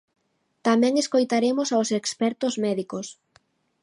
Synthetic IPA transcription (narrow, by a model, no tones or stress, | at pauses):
t̪amɛ̃ŋeskojt̪aɾemʊsawsekspɛɾt̪ʊzmɛðikos